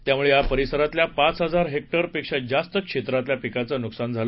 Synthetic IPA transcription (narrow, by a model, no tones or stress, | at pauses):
t̪jamuɭejapəɾisəɾat̪ljapat͡sɦəd͡zaɾɦek̚ʈəɾpikʂəd͡zast̪əkʂet̪ɾat̪ljapikat͡sənuksand͡zʱalə